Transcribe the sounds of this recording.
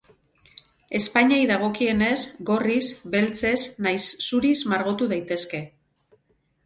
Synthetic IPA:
e̞spaɲajðaɣ̞o̞kie̞ne̞zɡo̞rizbe̞lt͡se̞znajsːuɾizmaɾɣo̞t̪uð̞ajt̪e̞ske̞

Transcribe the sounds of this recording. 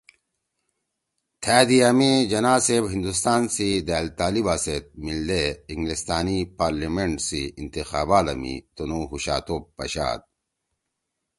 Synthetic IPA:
t̪ʰæːd̪iɐmid͡ʑɐnaːsebɦind̪ust̪aːnsid̪æːlt̪aːlibaset̪̚mild̪eiŋɡlist̪aːnipaːɾlimeɳʈsiːnt̪ixaːbaːlɐ̰mḭt̪onuɦuɕa̰ːt̪opːɐ̰ɕa̰ːd̪̚

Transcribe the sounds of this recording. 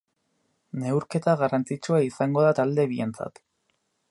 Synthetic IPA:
ne̞wɾke̞t̪aɣarant͡sit͡ʃuaisaŋɡo̞ð̞at̪ald̪e̞βie̞nt͡sa̰t̪

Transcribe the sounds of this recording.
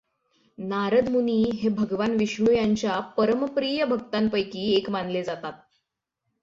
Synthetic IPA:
naɾəd̪muniːɦebʱəɡʋanʋiʂɳujaɲt͡ɕjapəɾəmpɾijəbʱəɡ̚t̪anpəjkiːekmanled͡zat̪at̪̚

